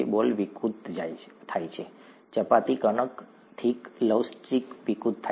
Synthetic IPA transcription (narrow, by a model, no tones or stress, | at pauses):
ḛbolʋikut̪d͡ʒajt̪ʰajt͡ʃʰe | t͡ʃəpat̪ikənək | t̪ʰikləwst͡ʃikʋikut̪tʰːa